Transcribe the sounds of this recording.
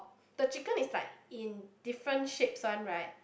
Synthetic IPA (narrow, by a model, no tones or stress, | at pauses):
d̥ət͡ʃikə̃nislaɪk̚ĩndifɹə̃ntʃipsɔ̃nɹaɪt̚